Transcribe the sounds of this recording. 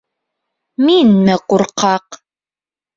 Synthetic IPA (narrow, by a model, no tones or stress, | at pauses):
miːnːɐqʊrqʰɑːq